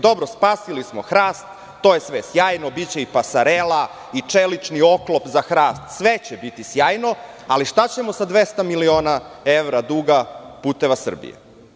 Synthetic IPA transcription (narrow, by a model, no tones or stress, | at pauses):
d̪o̞bɾospaːsilismo̞xɾaːst̪ː | o̞jesʋesjaːjnobit͡ɕe̞ipasaɾela | it͡ʂelit͡ʃnio̞klˠopzaxɾaːst̪sʋe̞t͡ɕebit̪isjaːjno̞ | aliʂt̪at͡ɕe̞mosad̪ʋe̞st̪amilio̞ːna | eʋɾad̪uɡapuːt̪eʋasr̩bḭjḛ